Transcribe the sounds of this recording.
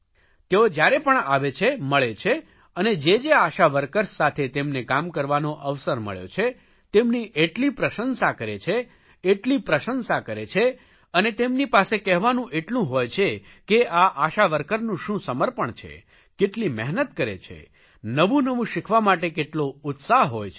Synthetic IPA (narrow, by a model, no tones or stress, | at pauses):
t̪eod͡ʒjaɾepəɳaʋet͡ʃʰeməɭet͡ʃʰe | əned͡ʒed͡ʒeaʃaʋəɾkəɾsat̪ʰet̪emnekamkəɾʋanoʔəʋsəɾmə̰ɭjo̰t͡ʃʰe | t̪emniʔeʈlipɾəʃənsakəɾet͡ʃʰeː | ʈlipɾəʃənsakəɾet͡ʃʰe | ənet̪emnipasekɛɦʋanũʔeʈlũɦojt͡ʃʰe | keʔaʔaʃaʋəɾkəɾnũʃũsəməɾpəɳt͡ʃʰḛ | keʈlimɛɦnət̪kəɾḛt͡ʃʰḛ | nəʋũnəʋũʃikʰʋamaʈekeʈloʊt̪saɦɦojt͡ʃʰ